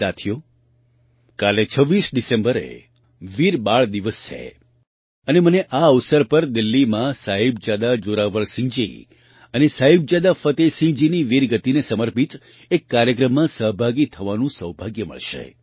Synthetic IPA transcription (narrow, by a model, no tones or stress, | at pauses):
sat̪ʰijo | kalet͡ʃʰəʋːisɖisẽmbəɾḛ | ʋiɾbaɭd̪iʋəst͡ʃʰḛ | əneməneʔaəʋsəɾpəɾd̪ilːimãsaɦib̚d͡ʒad̪ad͡ʒoɾaʋəɭsɪ̃ŋɡd͡ʒḭ | ənesaɦib̚d͡ʒad̪afət̪esĩŋd͡ʒiniʋiɾɡət̪inesəməɾpit̪ | ekːaɾjəkɾəmːãsəɦbʱaɡit̪ʰəʋanũsəɦbʱaɡjəmə̰ɭʃḛ